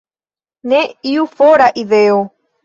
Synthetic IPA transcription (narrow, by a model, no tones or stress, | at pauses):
nẽiufoɾaʔiðeo